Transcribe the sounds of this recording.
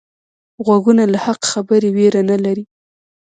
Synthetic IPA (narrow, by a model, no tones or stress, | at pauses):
ɣwaɡunalahaqxabəɾeweɾanalaɾi